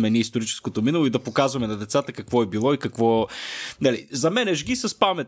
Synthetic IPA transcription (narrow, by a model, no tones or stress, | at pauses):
mɛniist̪oɾit͡ʃɛ̥skot̪ominɐlˠoid̪ɐpokazvɐmɛnɐd̪ɛt̪sat̪əkɐkvɔɛbilˠɔikɐkvɔnɐlizɐmɛnɛʒɡisɐspamɛt̪